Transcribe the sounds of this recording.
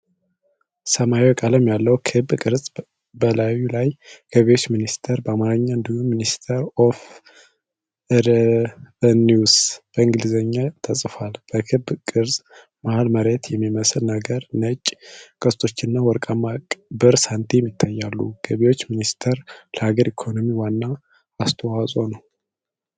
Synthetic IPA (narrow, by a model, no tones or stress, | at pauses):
səmajwokʼaləmjalːəwkʰɨbkʼɨɾzʼ | bəlawulajɡ̥əβewo̞t͡ʃːminist̪ʰəɾbəamaɾəɲːaɨnd̪ujuminist̪ʰəɾof | ɾ | niusb̥əɨŋɡɨlzəɲːat̪ʰəsʼfalb̥əkʰɨbkʼɨɾsʼ | mahalməɾet̪jɛmːiməslnəɡəɾnət͡ʃʼːkʼəst̪ʰʼot͡ʃːɪnːawɔɾkʼamakʼbɨɾsant̪ʰeɛmːɪt̪ʰːajːalːṵɡ̥əβewot͡ʃːminist̪ʰəɾləhaɡəɾikʰo̞no̞miwanːaː | st̪ʰəwasʼo̞nəw